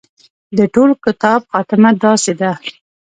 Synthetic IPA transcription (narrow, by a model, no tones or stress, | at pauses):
d̪əʈolkɪt̪ɑbxɑt̪ɪmad̪ɑsed̪a